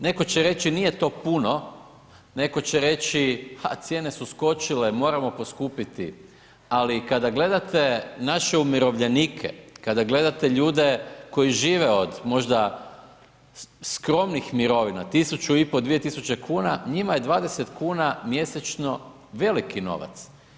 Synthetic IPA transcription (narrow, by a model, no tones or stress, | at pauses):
ne̞ko̞t͡ɕeɾe̞t͡ɕinijet̪o̞ːpuno̞ | ne̞ko̞t͡ɕeɾe̞t͡ɕiha̰t̪sje̞ne̞susko̞t͡ʃilemo̞ːɾamo̞po̞skupit̪ḭ | alikad̪aɡle̞d̪at̪e̞naʃe̞umiɾo̞ʋʎenikʰḛkad̪aɡle̞d̪at̪e̞ʎuːd̪e̞ko̞jiʒiːʋeo̞d̪mo̞ʒd̪a | skɾo̞mnixmiɾo̞ʋinat̪isut͡ʃuipo̞d̪ʋije̞t̪isut͡ɕe̞kʰuːnaɲimaje̞d̪ʋaːd̪eset̪kuːnamje̞set͡ʃno̞ | ʋe̞likino̞̰ʋa̰t̪s